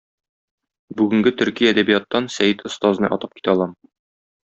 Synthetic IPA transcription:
bʉɡɘ̆ŋɡɘt̪ɵ̆ɾkijæd̪æbijɑt̪ːɑnsæjɘt̪ŏst̪ɑznɤ̰ʔɒ̰t̪ɤ̥pki̥t̪æɒlˠɑm

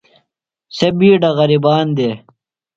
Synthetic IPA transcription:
sɐbiːɖɐɣɐɾibaːnd̪eː

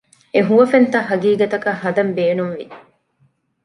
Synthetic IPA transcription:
eɦuʋɐfent̪ɐɦɐɡiːɡɐt̪ɐkɐɦɐd̪ɐmbeːnumʋi

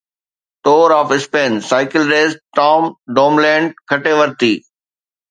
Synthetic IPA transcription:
t̪oːɾɔːfɪspẽːnsaːɪkɪlɾeːzʈɔːmɖoːmlẽːɳɖ̚kʰɐʈeʋəɾt̪iː

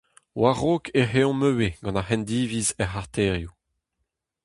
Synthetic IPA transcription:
waʁoːkʰeeɔ̃møweɡ̥ɑ̃nahɛnd̪iːvizɛχaʁt̪eːʁju

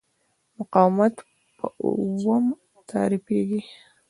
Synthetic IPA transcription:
mʊqɑːwmat | pʰə̰wəm | t̪ʰaːɾipeːɡi

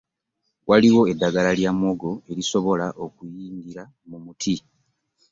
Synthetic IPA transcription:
wʔaliwo̞e̞dːaɡalaljamwo̞ɡo̞e̞ɾiso̞βo̞laʔo̞kujiːŋɡiɾa | mumutʰi

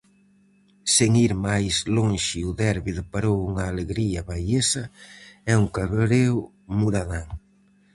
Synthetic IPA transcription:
seŋiɾmajsloŋʃɪʊðɛɾβiðʊpaɾowuŋaːleɣɾiɐβajesɐɛuŋkaβɾew | muɾaðaŋ

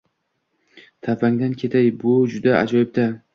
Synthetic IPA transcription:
t̪ʰapʰaŋd̪ankʲʰe̞t̪ʰajbʊd͡ʒʊd̪aa̰d͡ʒɒɪb̚t̪a

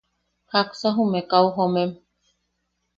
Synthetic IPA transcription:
haksaɦũmẽkawɦomẽm

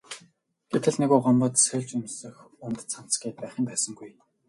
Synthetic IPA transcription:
ɡ̥et̪ʰɘ̆ɮneɣuːɢɔmpɞ̆t̪sœɮt͡ɕɵmsɵ̆x | ʊnt̪ə̥̆t͡sʰan̥t͡sɡiːt̪̚pæːχə̆mpæːsə̆ŋɡuj

